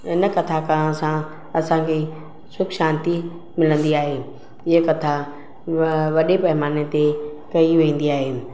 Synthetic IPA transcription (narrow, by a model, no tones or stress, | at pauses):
ɪnə̆kɐt̪ʰakãsã | ɐsãkʰe | sʊbʃãːnt̪i | mɪlə̃nd̪iaːɦeː | ɪɦəkɐt̪ʰa | ʋɐɗepɐɦɪmaːnet̪ekɐiʋẽːn̆d̪iaːɦeː